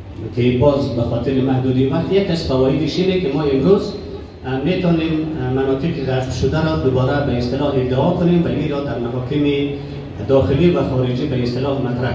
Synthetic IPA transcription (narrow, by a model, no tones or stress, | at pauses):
kɪbɔzbaxɔt̪ɪɾɪmahd̪ud̪iwaqt̪ijakːasfawɔjɪd̪ɪʃinekɪmɔɪmɾoz | met̪ɔnemːanɔt̪ɪqɪɣaflʃʊd̪aɾɔd̪ʊbɔɾabaɪst̪ɪlɒɦɪd̪ɪɔkʊnemwaiɾɔd̪aɾmaɦɔkɪmɪ | d̪ɒxɪliwaxɔɾɪd͡ʒibaɪst̪ɪlɔhmat̪ɾa